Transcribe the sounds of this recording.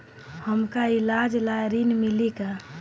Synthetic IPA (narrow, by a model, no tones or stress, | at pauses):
həmkailad͡ʒlajɾinmilika